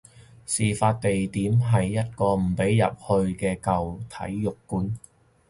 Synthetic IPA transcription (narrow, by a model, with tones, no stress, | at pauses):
siː˨˩faː˧t̚t̪e˨jt̪iː˨˥mɦɐ˨jːɐ˥t̚kɔː˧m̩˨˩pe˨˥jjɐ̰˨p̚hɵ˧ɥkɛː˧kɐ˨wt̪ʰɐ̰˨˥jːjʊ˨kːuː˨˥n